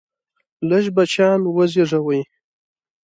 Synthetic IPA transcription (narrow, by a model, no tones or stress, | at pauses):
ləʃbat͡ʃɑnwəziʐawəj